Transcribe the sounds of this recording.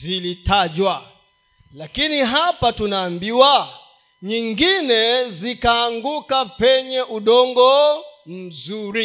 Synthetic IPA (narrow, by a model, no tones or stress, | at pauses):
zilitaʄwa | lakiniɦapatunaːmbiwa | ɲiŋɡinɛzikaːŋɡukapɛɲɛʔuɗɔŋɡɔm̩zuɾi